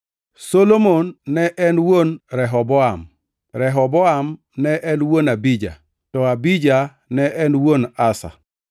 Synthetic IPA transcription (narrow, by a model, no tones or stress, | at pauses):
solomonːɛʔɛnwonɾɛɦɔbɔam | ɾɛɦɔbɔam | nɛʔɛnwonabid͡ʒa̰ | tɔabid͡ʒa | nɛʔɛnwonasa̰